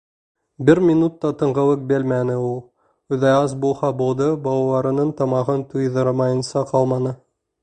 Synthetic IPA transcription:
bɘɾmʲinut̪ːɑt̪ɤ̆ɴʁɤ̆wɤk̚bɘlmænɘulˠ | ʉðæɑzbulˠhɑbulˠd̪ɤbɑɑw̪ˠɑɾɤ̆nɤɴt̪ɑmɑʁɤnt̪ʰujðɤɾmɑjɤ̆nsɑqʰɑlˠmɑnɤ

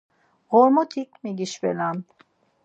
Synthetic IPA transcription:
ɣɔɾmɔt̪ʰikmiɡiʃvɛ̰lam

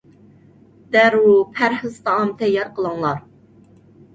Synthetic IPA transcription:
d̪̥æɾwupʰæɾhɨzt̪ɑɑmt̪ʰɛjɑɾqəlˠəŋlˠɑɾ

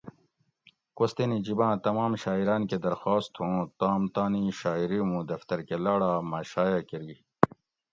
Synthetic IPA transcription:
kost̪enid͡ʑibãːt̪ɐmaːmɕaːiɾaːnked̪ɐɾxaːst̪hũːt̪aːmt̪aːniɕaːiɾimũːd̪ɐft̪ɐɾkelaːɽaːmaːɕaːjaːkeɾi

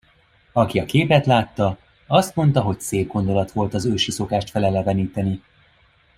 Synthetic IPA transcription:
ɒkiɒkeːpɛt̪laːt̪ːɒ | ɒst̪mo̞nt̪ɒɦo̞cseːb̚ɡo̞nd̪o̞lɒt̪ʋo̞lt̪ɒzøːʃiso̞kaːʃt̪fɛlɛlːɛvɛniːt̪ɛni

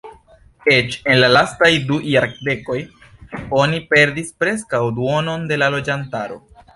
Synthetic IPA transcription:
e̞t͡ʃe̞nlalastajdujaɾkde̞ko̞j | o̞nipe̞ɾdispɾe̞skawduo̞no̞nde̞lalo̞d͡ʒantaɾo̞̰

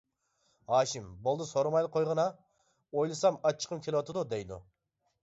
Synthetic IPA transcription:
hɑːʃimbolˠd̪ɨsoɾɑmɑjd̪qʰojʁɑnɑ | ojlˠɨsɑmɑt͡ʃʰːə̥qʰɨmkʲʰelwɑt̪ʰɨd̪ud̪ɛjd̪ṵ

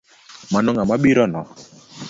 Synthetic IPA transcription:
manɔŋamaɓiɾɔnɔ

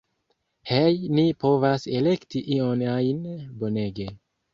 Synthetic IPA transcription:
hejnipo̞vase̞le̞ktiʔionajnbo̞ne̞ɡe̞

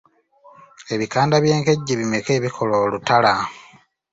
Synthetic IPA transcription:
e̞βikaːndaβje̞ːŋkeɟːiβimeke̞ːβikʰo̞loːlutala

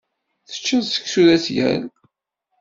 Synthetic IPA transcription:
θə̥t͡ʃːæðsə̥kːsuðæsjæ̰l

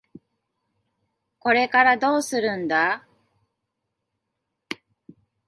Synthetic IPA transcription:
ko̞ɾe̞kaɾad̪o̞ːsɨɾɯ̟̃nd̪a

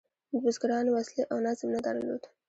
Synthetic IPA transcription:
d̪ʊzɡɾɑnwasleʔawnazmnad̪aɾlo̰d̪

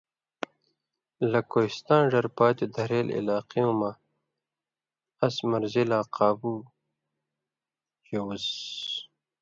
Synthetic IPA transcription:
lɐkoist̪ãːnʐɐɾpaːt̪id̪ɐɾeːlḭlaːqiũma | ɐsmɐɾzilaːqʰaːbu | hewuz

